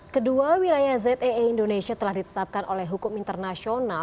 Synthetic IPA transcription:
kəduawilajazɛt̪eindonesiat̪əlahdit̪ə̥t̪ap̚kanʔolɛɦukʊmint̪ərnasiona

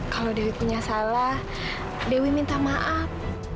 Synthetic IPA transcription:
kalodewit̪̚puɲasalah | dewimint̪amaʔap̚

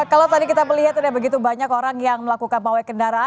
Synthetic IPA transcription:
kalawt̪adikit̪apəliɦat̪udabəɡit̪̬ubaɲakoɾaŋjaŋməlakukanpawajkəndaɾaa

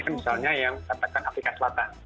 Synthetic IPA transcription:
kanmisalɲajaŋkat̪akanafɾikasəlat̪an

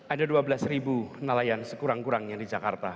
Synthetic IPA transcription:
ʔadaduabəlasribunalajansəkuɾaŋkuɾaŋɲadid͡ʒakart̪a

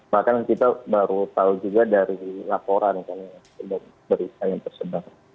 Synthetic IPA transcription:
bahkankit̪abaɾut̪aud͡ʒuɡadaɾilapoɾankanaasubak̚ | bəɾit̪ajaŋt̪ərsədar

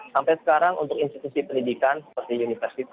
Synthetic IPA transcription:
sampajsə̥kaɾaŋʔṵnt̪ʊkinst̪it̪usipəndidikansə̥pərt̪iunifərsit̪

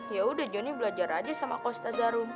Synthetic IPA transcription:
jaudad͡ʒɔnibəlad͡ʒaɾad͡ʒasamakɔst̪azaɾum

